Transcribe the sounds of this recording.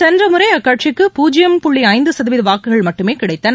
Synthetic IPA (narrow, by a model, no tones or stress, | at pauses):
sɛndrɐmɯɾɐɪɐkːaːʈ̚t͡ʃɪkːɯpuːd͡ʒɪjɐmpʊɭːiɐɪnd̪ɯsɐðɐʋɪðɯʋaːkːɯɣɐɭmɐʈːɯmeːkɪɽɐɪt̪ːɐn